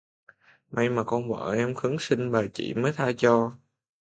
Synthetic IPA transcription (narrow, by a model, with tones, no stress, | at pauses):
mʔa˧jmaː˨˩kɔ˧nvə̰ː˧˨˩ʔɛ˧mxɨ˨˦ŋsï˧ŋɓaː˨˩t͡ɕḭ˧˩˨məː˨˦jt̪ʰaː˧t͡ɕɔ˧